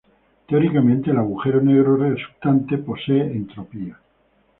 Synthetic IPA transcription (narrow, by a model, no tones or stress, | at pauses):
t̪eoɾikamẽnt̪eːlaɣuxe̞ɾoneɣɾoɾesu̥p̚t̪ant̪epo̞se̞ːʔent̪ɾo̞pia